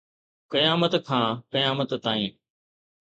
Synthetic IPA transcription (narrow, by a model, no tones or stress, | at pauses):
kɐjaːmət̪kʰãːkɐjaːmət̪t̪aːĩː